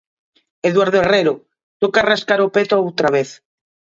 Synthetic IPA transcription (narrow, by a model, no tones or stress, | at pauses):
eðwaɾðoereɾo | t̪okaraskaɾopet̪oaowt̪ɾaβeθ